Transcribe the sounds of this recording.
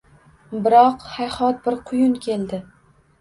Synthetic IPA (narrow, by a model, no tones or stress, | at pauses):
bɪɾɒqhajhɒt̪̚bɪɾqʰʊjʊnkʲʰe̞lˠd̪ɪ